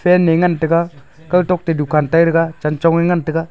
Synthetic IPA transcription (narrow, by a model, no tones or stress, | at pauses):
fenːeŋantika | katok̚tedukantaiɾikat͡ʃant͡ʃoŋiŋantika